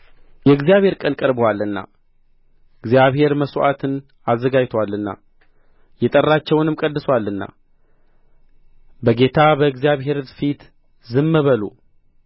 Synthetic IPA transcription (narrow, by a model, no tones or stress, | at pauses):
jɛɨɡzijaβhe̞ɾkʼənkʼəɾbəwalːɨnːa̰ | ɨɡzijaβhe̞ɾməsoʔa̰t̪ʰɨn | azːəɡad͡ʒt̪ʰwalːɨnːa̰ | jɛt̪ʼərːat͡ʃːɛwnɨmkʼəd̪ːɨswalːɨnːa̰ | bəɡe̞t̪ʰabəɨɡzijaβɦe̞ɾfit̪ | zɨmːəβəlo̰